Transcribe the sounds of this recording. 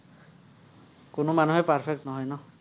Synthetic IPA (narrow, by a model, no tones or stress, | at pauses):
kʊnomanuɦɛpaɹpʰek̚tnɔɦɔjnɔ